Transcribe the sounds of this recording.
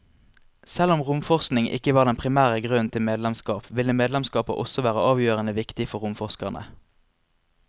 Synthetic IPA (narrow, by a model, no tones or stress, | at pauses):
sɛlʊmʁʊmfɔʁsknɪŋʔɪ̰kəʋɑːʁd̪ɛnpʰʁɪmæːʁəɡʁʉnnt̪ʰɪlmeːd̪lɛmskɑːpʋɪlːəmeːd̪lɛmskɑːpə̰ʔɔ̰sɔʋæːʁəʔɑːʋjøːʁənəʋɪkt̪ɪfɔʁʊmfɔʁskɑʁnə̰